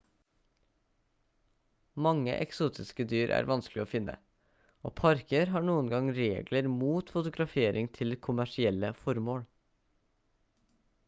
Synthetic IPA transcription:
mɑŋə̰ʔɛ̰ksuːt̪ʰɪskəd̪yːɾʔæ̰ːɾʋɑnsklɪoːfɪnə̰ | o̰ːpʰɑɾkəɾɦɑːɳuːənɡɑŋɾeːɡləɾmuːt̪fʊt̪ʊɡɾɑfeːɾʔɪŋt̪ʰɪlkʰʊmæʂɪɛləfɔɾmoːɽ

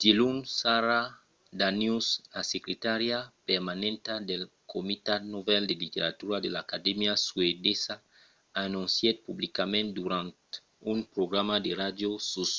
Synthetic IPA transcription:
d̪̥ilunsaɾa | d̪anjusasekɾet̪aɾjapeɾmanẽnt̪ad̪el | komit̪at̪novɛld̪elit̪eɾat̪uɾad̪elakad̪emjaswed̪esa | anũnsjed̪̚publikamẽnt̪̚d̪uɾãnt̪ | umpɾoɡɾamad̪erad̪josus

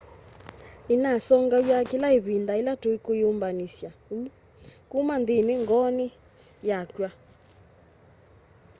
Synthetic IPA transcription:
enasɔŋɡajwakelaeβindaelatoikojombanisja | kumandeneŋɡɔni | jakwa

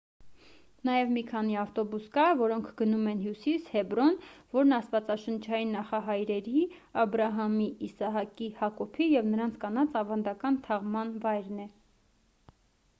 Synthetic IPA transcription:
nɑjɛvmikʰɑniɑft̪ɔbuskɑvɔɾɔŋkʰɡənumɛnɦjusishɛbɾɔnvɔɾnɑst̪vɑt͡sɑʃənt͡ʃʰɑjinːɑχɑɦɑjɾɛɾi | ɑbɾɑɦɑmiːsɑɦɑkihɑkɔpʰijɛvnəɾɑnt͡sʰkɑnɑt͡sɑvɑnd̪ɑkɑnt̪ʰɑʁmɑnvɑjɾnɛ

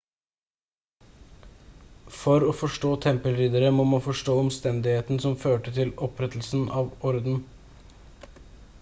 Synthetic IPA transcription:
fɔɾɔːfɔʂʈoːt̪ʰɛmpəlɾiːd̪əɾəmɔmɑnfɔʂʈoːɔmst̪ɛnd̪ɪheːt̪nsɔmføːʈət̪ʰɪlɔpɾɛt̪l̩sn̩ʔɑːʋɔɾd̪n̩

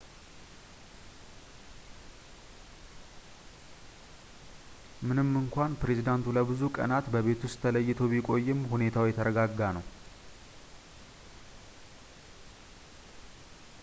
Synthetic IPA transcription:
mɨnɨmːɨŋkʷanpɾe̞zid̪ant̪ʰuləbɨzukʼə̰nat̪bəβe̞t̪ʰʊst̪ʰːələjːɪt̪ʰoβikʼo̞jːɪmhune̞t̪ʰawjɛt̪ʰəɾəɡaɡːanəw

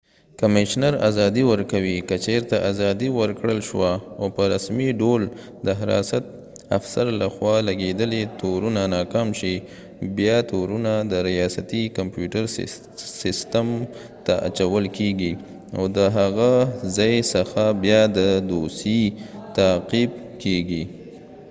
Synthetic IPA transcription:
kamɪʃnaɾa̰zɑd̪iwəɾkawikət͡ʃeɾt̪aʔazɑd̪iwəɾkɽəlʃwaopəɾasmiɖol | d̪əɦaɾɑ̰sat̪̚ | afsaɾlaxwɑlaɡed̪əlet̪oɾunanɑkɑmʃi | bjɑt̪oɾunad̪əɾijɑsat̪ikampjuʈəɾ | sɪst̪am | t̪aʔa̰t͡ʃawəlkeɡi | a̰wd̪əɦaɣazɑjsəxabjɑd̪əd̪osit̪aqib̚keɡi

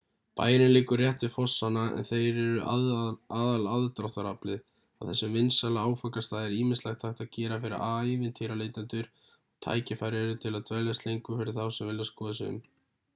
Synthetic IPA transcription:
pa̰ːjɪnɪnlɪːkʏɾrjɛht̪vɪfɔsːanaɛ̰nθejɾɛɾʏ | aðalaðt̪ɾaht̪aɾaplɪð | awθɛsːʏmvɪnsalaaːwfakast̪aːðɪɾiːmɪnslɛxt̪ʰajht̪aðcɛːɾafɪɾɪ̰ɾaivɪnt̪ʰɪːɾaleːjt̪ant̪ʏɾ | ɔɣt̪ʰa̰ːjcɪfajɾjaɾʏt̪ʰɪlaðt̪ʰvɛlast̪lejŋkʏfɪɾɪɾ̥θawsɛmvɪlːɪaskɔːðasɪʏ̰m

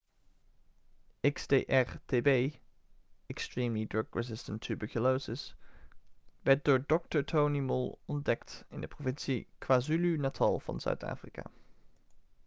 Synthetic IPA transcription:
ɪksdeːʔɛrteːbej | ɛkstɹimlidɹɔkɹɛzɪstəntʰːʉbəɹkulosɪs | ʋɛɹt̚dʊːɹdɔk̚təɹtʰownimʊlˠɔndɛktɪndəprovɪnsikʋaːzylynatʰɑlˠv̥ɑ̰nz̥œ̰ɥta̰ːfrika̰ː

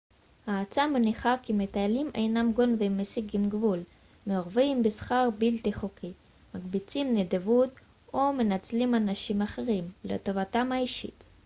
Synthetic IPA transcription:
haːt͡sameniχakimet̪aalimʔejnamɡonvemesiɡimɡvul | meoʁvimbesχaʁbilt̪iχokʰi | maɡbit͡simned̪evut | omenat͡slimanaʃimaχe̞ʁimlḛto̞vatamhaiʃḭt

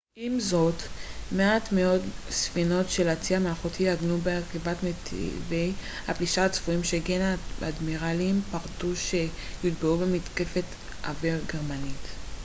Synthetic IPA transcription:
ʔimzo̞tmeat̪meo̞dsfino̞tʃelat͡siameaχotʰiaɡnubeakivatmetʰḭvej | hapliʃaat͡sv̥uimʃeɡenaa̰dmiʁalimpaʁtuʃe̞jidbeube̞mit̪ke̞fe̞t̪ | ʔa̰viʁɡeʁmanit

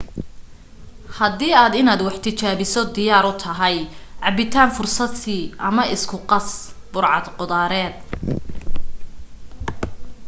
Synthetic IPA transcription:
hɐd̪iːaːd̪ɪnaːd̪wɑħt̪ʰɪt͡ʃaːβɪsɔd̪ɪjaːɾʊt̪ʰɐɦɛjʕɑbɪt̪ʰaːnfʊrsɐd̪siːʔɐmɐɪskʰʊqɑsb̥ʊrʕɑd̪qʊðaːɾɛːd̪̚

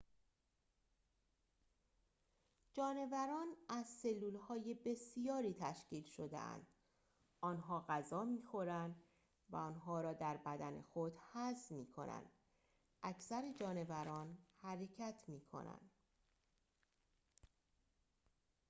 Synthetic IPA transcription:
d͡ʒɒːne̞væɾɒːnæzse̞lːuːlhɒːje̞be̞sijɒːɾiːt̪ʰæʃciːlʃo̞d̪ḛæ̰nd̪̥ | ʔɒːnɦɒːɣæzɒːmiːxo̞ɾænd̪ | væ̰ɒnɦɒːɾɒːd̪æɾbæd̪æne̞̰xod̪hæzmiːkʰo̞̰næ̰nd̪̥ | ʔæcsæɾed͡ʒɒːne̞væɾɒːnhæɾe̞cʰæt̪ʰmiːkʰo̞̰næ̰nd̪

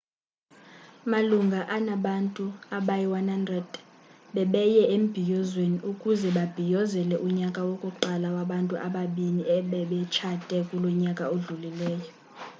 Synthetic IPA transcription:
maluŋɡʱaʔanaɓantʼuaɓajiwanhandrɛd̥ | ɓɛɓɛjɛem̩b̥ʱijɔzweniukʼuzɛɓab̥ʱijɔzɛlɛʔuɲakʼawokʼuǃalawaɓantʼuʔaɓaɓiniɛɓɛɓɛt͡ʃʰatʼɛkʼulɔɲakʼaoɮulilɛːjɔ

